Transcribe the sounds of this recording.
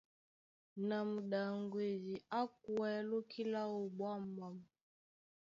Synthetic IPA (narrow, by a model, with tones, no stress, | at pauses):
na˨mu˨ɗa˨ŋɡwe˨d͡ʒi˨a˦k̚wɛ˨˦lo˦kʰi˦la˦o˨bwa˦mba˨m˨